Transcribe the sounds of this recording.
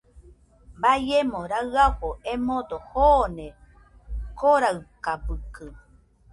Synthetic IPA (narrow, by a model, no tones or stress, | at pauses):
bajemõɾaaɸoʔemõd̪ohonẽ | koɾaɨkabɨkɨ